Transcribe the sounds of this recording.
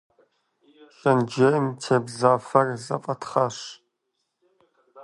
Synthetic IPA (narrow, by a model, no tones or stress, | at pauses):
ʃʼɐnd͡ʒemtʰebzaːfɐrzɐ̰fʼɐtʰχɐɕ